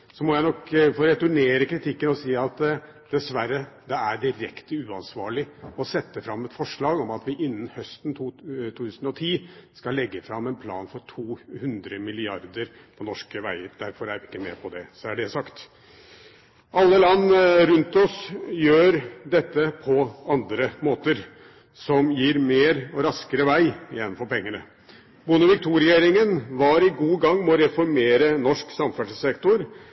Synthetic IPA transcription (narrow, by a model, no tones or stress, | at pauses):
sɔmɔjæɪnɔkfoːɾɛt̪ʉɳeːɾəkɾɪt̪ʰɪkːənɔsiːɑt̪ | d̪̥ɛsʋæɾːəd̪ɛæɖɪɾɛkt̪əʉːɑnsʋɑːɭɪɔsɛt̪ːəfɾɑmːɛt̪fɔʂɭɑːɡɔmɑt̪ʋɪʔɪnːn̩hœst̪n̩t̪ʰːt̪ʰuːt̪ʉːsən̩ɔt̪ʰiːskɑlːɛɡːəfɾɑmːɛnpʰlɑ̰ːnfɔɾʈʰuːhʉnd̪ɾəmɪlɪɑɾd̪əɾ | pʰɔnɔʂkəʋæɪəɾd̪æɾfɔɾæɾʋɪɪkːəmɛ̰pʰɔd̪ɛsɔæɖɛsɑkt̪ | ɑlːəlɑnːɾʉnt̪ɔsjøːɾd̪ɛt̪ːəpʰɔɑnd̪ɾəmoːt̪əɾ | sɔmjiːɾmeːɾɔɾɑskəɾəʋæɪjɛnːn̩fɔɾpɛŋːəɳə | bʊnəʋɪk̚t̪ʰuːɾɪeːɾɪŋənʋɑːɾɪɡuːɡɑŋːmɛɔɾɛfɔɾmeːɾənɔʂksɑmfæʂsɛkt̪ʊɾ